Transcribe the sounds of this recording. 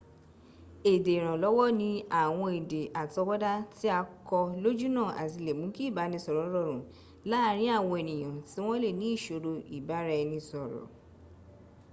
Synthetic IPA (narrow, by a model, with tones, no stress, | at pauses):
e˨de˨ɾ̃ã˨lɔ˨˦wɔ˦nĩ˧˦a˨w̃ɔ̃˧e˨de˨ʔa˨tɔ˨˧˦bɔ˦da˦ti˦a˧kɔ˧lo˦d͡ʒu˦nã˦˨ʔa̰˨ti˧˨le˨mũ˨˦ki˦˨ba˨˦nĩ˧sɔ˨ɾɔ˨˦ɾɔ˦˨ɾũ˨ | la˦ɾ̃ĩ˦a˦˨w̃ɔ̃˧e˨nĩ˨j̃ã˨ti˨˦w̃ɔ̃˦le˦˨nĩ˨˦i˦˨ʃo˧ɾo˧i˨ba˨˦ɾɛ˧nĩ˧sɔ˨ɾɔ̰˨